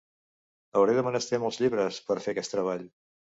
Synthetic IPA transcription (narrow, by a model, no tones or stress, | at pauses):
əwɾeðəmənəst̪emɔlˠzʎiβɾəspəɾfeəkɛst̪ɾəβ̞aʎ